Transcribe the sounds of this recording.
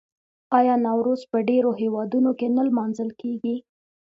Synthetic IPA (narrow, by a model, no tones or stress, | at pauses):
ɑjɑnɑwɾozpəɖeɾoɦewɑd̪unokenalmɑnzəlkeɡi